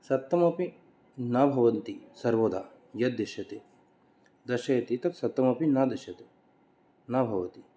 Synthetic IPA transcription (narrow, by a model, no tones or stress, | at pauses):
sɐt̪ːɐmɐpi | naːbʱɐʋɐnt̪isɐɾʋoːd̪ʱa | jɐd̪iʃjɐt̪e | d̪ɐʃɐjɐt̪it̪ɐt̪sɐt̪ːɐmɐpinaːd̪ɐʃjɐt̪e | naːbʱɐʋɐt̪i